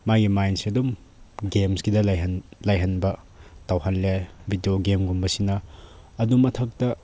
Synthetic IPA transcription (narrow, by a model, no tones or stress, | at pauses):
majɡimajnsiɐdum | ɡemskidɐlnlajɦɐnbɐ | tɐwhanlebʱidioɡemɡumbɐsinɐ | ɐdumːɐtʰɐk̚tɐ